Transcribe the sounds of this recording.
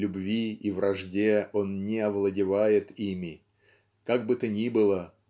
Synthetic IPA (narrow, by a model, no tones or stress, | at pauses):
lʲʊbvʲiivrɐʐdʲeo̞nnʲɪɐvlˠədʲɪvajɪt̪imʲɪ | kaɡ̚bɨt̪ənʲibɨlˠə